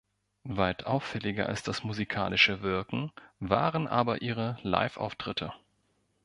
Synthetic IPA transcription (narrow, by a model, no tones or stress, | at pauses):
vaɪtʰʔaʊfːɛlɪɡɐ̰ʔa̰lsd̥asmuzikʰa̰ːlɪʃəvɪɐkŋ̩va̰ːʁənʔaːbɐʔiːʁəla̰ɪfʔa̰ʊftʁ̥ɪtʰə